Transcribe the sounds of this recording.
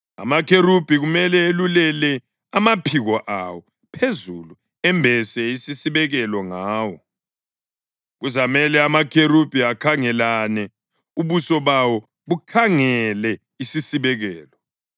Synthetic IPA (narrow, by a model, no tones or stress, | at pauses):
a̰makʰeɾub̥ʱiɣumɛlɛelulɛlɛ | amapʰiɣɔʔawɔ | pʰezulu | ɛmbʱɛsɛisisiβɛɣɛlɔŋaːwɔ | ɣuzamɛlɛamakʰerub̥ʱiakʰaŋɛlanɛ | uβusɔβawɔ | ɣukʰaŋɛlɛ | isisiβɛɣɛːlɔ